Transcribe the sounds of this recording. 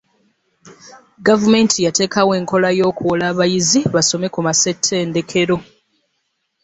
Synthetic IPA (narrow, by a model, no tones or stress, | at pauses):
ɡavume̞ntʰijate̞ːkawe̞ːŋko̞lajo̞ːkuwolaːβajiziβaso̞me̞kumase̞tʰːe̞ːnde̞kʰe̞ɾo̞